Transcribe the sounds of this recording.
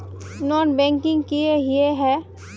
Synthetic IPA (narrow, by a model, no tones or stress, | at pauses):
nɔːnbɛ̃ːŋkɪ̃ŋɡkieɦieɦɛ